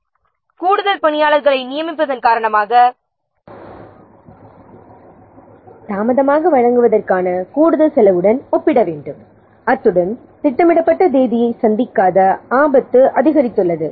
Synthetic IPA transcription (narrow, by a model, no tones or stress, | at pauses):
kuːɽɯðɐlpɐɳɪjaːlɐɾɣɐɭɐɪnɪjɐmɪpːɐðɐnkaːɾɐɳɐmaːɣɐ | t̪aːmɐðɐmaːɣɐʋɐɻɐŋɡɯʋɐðɐrkaːnɐkuːɽɯðɐlsɛlɐʋɯɽɐnɔpːɪɽɐʋeːɳɖɯm | ɐt̪ːɯɽɐn | t̪ɪʈːɐmɪɽɐpːɐʈːɐd̪eːðɪjɐɪsɐnd̪ɪkːaːðɐaːbɐt̪ːɯʔɐðɪɣɐɾɪt̪ːɯɭːɐðɯ